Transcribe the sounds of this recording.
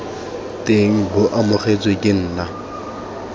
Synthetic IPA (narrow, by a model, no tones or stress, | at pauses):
tʼeŋ̩bʊʔamʊχet͡sʼwekʼɪn̩ːna